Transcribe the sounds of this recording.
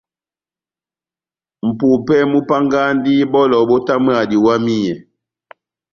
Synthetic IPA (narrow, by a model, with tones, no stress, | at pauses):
m̩˨pu˨pɛ˦mu˦pa˦ŋɡa˦n˦di˦bɔ˦lɔ˨bɔ˦ta˦mə˦a˨di˨wa˦mi˦ɲɛ˨